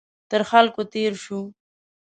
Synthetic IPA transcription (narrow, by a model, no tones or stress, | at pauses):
t̪əɾxalkot̪eɾʃu